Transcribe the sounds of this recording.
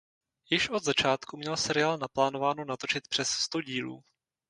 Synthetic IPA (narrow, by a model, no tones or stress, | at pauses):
jɪʃʔo̞d̪zat͡ʃaːt̪kumɲɛlsɛɾɪaːlnaplaːno̞vaːnonat̪o̞t͡ʃɪt̪pr̝̥ɛsst̪o̞ɟiːlṵː